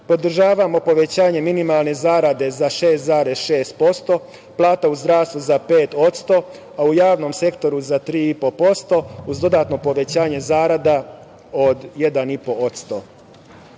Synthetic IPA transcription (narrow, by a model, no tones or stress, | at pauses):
po̞d̪r̩ʒaːʋamo̞po̞ʋe̞t͡ɕaːɲe̞minimalˠne̞zaːɾad̪e̞zaʃe̞ːst̪zaːɾesʃe̞ːst̪̚po̞st̪o̞ | plˠaːt̪auzd̪ɾaːst̪ʋuzapeːt̪o̞t̪st̪o̞ | aujaːʋno̞mse̞kt̪o̞ɾuzat̪ɾiːipo̞po̞st̪o̞uzd̪o̞d̪at̪no̞po̞ʋe̞t͡ɕaːɲe̞zaːɾad̪a | od̪je̞d̪anipo̞ot̪st̪o